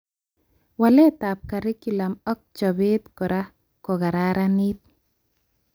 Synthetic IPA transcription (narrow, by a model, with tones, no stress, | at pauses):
wa˨lɛ˦t̪a˨p̚ka˨ɾi˦ku˨la˨mɔ˦k̚t͡ʃɔ˨be˦t̪kɔ˨ɾa˦ | kɔ˨ɣa˨ɾaɾani˦t̪̚